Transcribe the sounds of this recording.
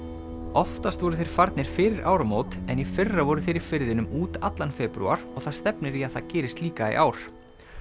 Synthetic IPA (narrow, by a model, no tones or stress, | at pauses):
ɔft̪ast̪vɔɾʏθejɾ̥faɾt̪nɪɾ̥fɪːɾɪɾʔaːwɾamoːwt̪ɛnifɪrːavɔɾʏθejɾi̥fɪɾðɪnʏmuːt̪at̪lanfɛːpɾṵa̰ɾ̥ɔɣθaðst̪ɛpnɪɾiaðθaðcɛːɾɪst̪liːkaḭʔaːwɾ̥